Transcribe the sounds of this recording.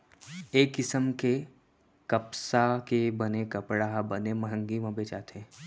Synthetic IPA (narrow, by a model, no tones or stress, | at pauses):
eːkːɪsəmke | kɐpsakebənekɐpɽaɦbəneməɦə̃ŋɡimãbeːt͡ʃa̰ːt̪ẽː